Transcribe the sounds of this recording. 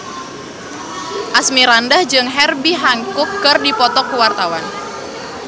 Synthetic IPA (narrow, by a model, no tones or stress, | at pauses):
ʔasmiɾandahd͡ʒɨŋɦɛrbiɦaŋkʊkːɨrdipɔt̪ɔkuwart̪awan